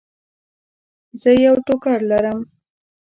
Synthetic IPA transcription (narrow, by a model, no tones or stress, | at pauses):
zəjawʈokaɾlaɾəm